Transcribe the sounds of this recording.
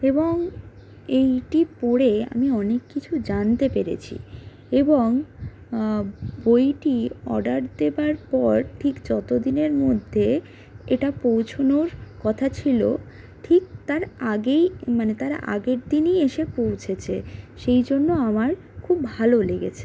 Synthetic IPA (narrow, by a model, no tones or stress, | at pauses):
eboŋ | ejʈipɔɽea̰miɔnekːit͡ɕʰud͡ʑant̪epeɾḛt͡ɕʰḭ | eboŋ | bojʈiɔ̰ɖaɾd̪ebaɾpɔɾʈʰikd͡ʑɔt̪od̪ineɾmod̪ʱːe | eʈapowt͡ɕʰonoɾkɔt̪ʰat͡ɕʰilo̰ | ʈʰik̚t̪aɾaɡejmanet̪aɾ̰ʔa̰ɡeɾd̪inieʃepowt͡ɕʰet͡ɕʰeʃejd͡ʑonːoamaɾ | kʰubːʱaloleɡḛt͡ɕʰe̥